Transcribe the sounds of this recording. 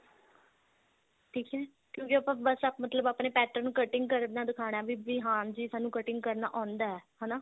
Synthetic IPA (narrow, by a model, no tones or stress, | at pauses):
ʈʰiːkɦɛː | kjõːkiəpãːbəsamət̪ləbaːpɳeːpɛːʈəɾnũːkəʈɪŋɡ̚kəɾd̪naːd̪ɪkʰaːɽ̃aːʋiːʋiːɦãːd͡ʒiːsaːnũːkəʈɪŋɡ̚kəɾna̰ːʔãːnd̪aːɛːɦɛnaː